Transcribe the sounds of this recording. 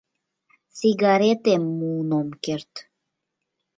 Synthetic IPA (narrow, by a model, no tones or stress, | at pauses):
t͡siɡɑɾet̪emːuːnomkeɾt̪